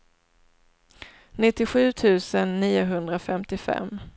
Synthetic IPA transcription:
nɪt̪ːɪɧʉ̟ːt̪ʰʉ̟ːsənːiːʊɦɵnd̪ɾafɛmt̪ɪfɛ̰mː

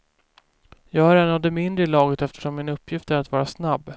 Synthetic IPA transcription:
jɑːɡhæɾɛnːavd̪ɛmɪnd̪ɾəlɑːɡət̪ɛft̪ə̥ʂɔmːɪnɵpːjɪft̪æɾat̪vɑːɾasnabː

